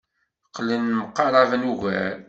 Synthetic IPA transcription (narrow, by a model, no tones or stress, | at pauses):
qːlːənːməqːɑɾˤɑvənuʝæɾ